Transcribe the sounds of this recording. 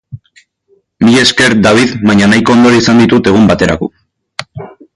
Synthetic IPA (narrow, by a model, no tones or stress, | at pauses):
miʎe̞ske̞ɾd̪aβ̞iðβaɲanajko̞ːnd̪o̞ɾaisand̪it̪ut̪e̞ɣ̞umbat̪e̞ɾʔa̰ko̞̰